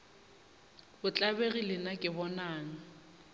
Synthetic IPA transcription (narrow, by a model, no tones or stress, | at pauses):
bʊt͡ɬʼabeɣilɪnakʼɪbɔnaːŋ̩